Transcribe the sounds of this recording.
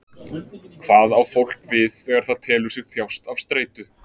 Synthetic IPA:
kʰv̥aːðawfowl̥kvɪðɛɣaɾ̥θaðt̪ʰɛːlʏsɪɣθjawst̪av̥st̪ɾeːjt̪ʏ

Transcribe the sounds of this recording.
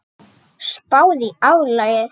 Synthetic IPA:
spaːwðiawlaɣa

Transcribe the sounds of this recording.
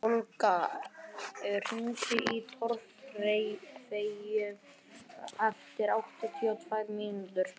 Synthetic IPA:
olka | ɛɾhuːsɪʔit̪ʰɔɾfrejfejʏ | aft̪ɪɾawht̪at̪ʰiat̪ʰvajvmiːnut̪ʏɾ̥

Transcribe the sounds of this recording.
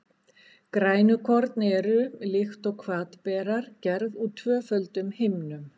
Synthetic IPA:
kɾaːjnʏkʰɔɾt̪nɛɾʏlɪxt̪ɔɣkʰvaːt̪pɛːɾaɾ̥cɛɾðut̪ʰvœːfœlt̪ʏmhɪjmnʏm

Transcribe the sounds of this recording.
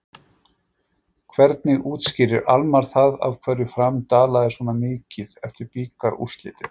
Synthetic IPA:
kʰvɛɾt̪̚nɪɣuːt̪scɪɾɪɾʔalmaɾ̥θaða̰vkʰvɛrːʏfɾamt̪aːlaðɪswɔːnamɪːcɪðɛft̪ɪɾpiːkaɾʔṵst̪lɪ̰ːt̪ɪ̥

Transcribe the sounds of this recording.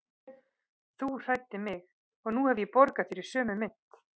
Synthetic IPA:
θur̥ajt̪ɪmɪx | ɔɣnuhɛvjɛpɔɾkafɪɾɪɾ̥sœːmʏmɪn̥t̪

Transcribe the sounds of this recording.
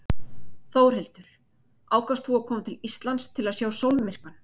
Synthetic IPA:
θoːwɾ̥ɦelt̪ʏɾ̥ | aːwkast̪θuakʰɔːmat̪ʰɪlist̪lant̪st̪ʰɪlaðsjaːwsowlmɪr̥kan

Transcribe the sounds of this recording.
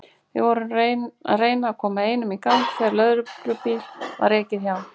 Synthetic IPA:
vɪ̰ɣvɔɾʏareːjnaːkʰɔːmaeːjnʏmikant̪fɛɾlœðɾʏɾʏpiːlva̰ɾɛhcɪðçjaw

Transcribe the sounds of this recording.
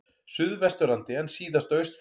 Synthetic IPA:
sʏðvɛst̪ʏɾant̪ɪɛnsiːðast̪œɥst̪f

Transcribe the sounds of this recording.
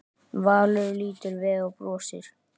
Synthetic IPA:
vaːlʏɾliːt̪ɪɾvɛɣɔɣpɾɔːsɪ̰ɾ̥

